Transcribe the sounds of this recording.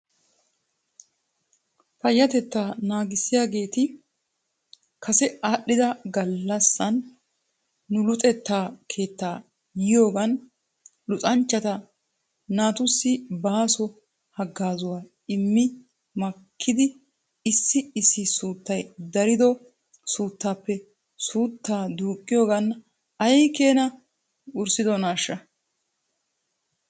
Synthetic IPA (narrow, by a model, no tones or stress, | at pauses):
fɐjːɐt̪ɛt̪ːaːnaːɡɪsːɪjaːɡe̞ːt̪ɪ | kʰɐsɛaːɗɪd̪ɐɡɐlːɐsːɐn | ʊlʊt̪ʼɛt̪ːaːkʰe̞ːt̪ːaː | jɪjo̞ːɡɐn | lʊtʼɐnt͡ʃːɐt̪ɐ | naːt̪ʊsːɪbaːsɔ | hɐɡːaːzʊwaː | ɪmːɪ | mɐkʰːɪd̪ɪ | ɪsːɪɪsːɪsuːt̪ːɐjd̪ɐɾɪd̪ɔ | suːt̪ːaːpːɛ | suːt̪ːaːd̪uːkʼːɪjo̞ːɡɐn | ɐjke̞ːnɐ | ʊɾsɪd̪ɔnaːʃːɐ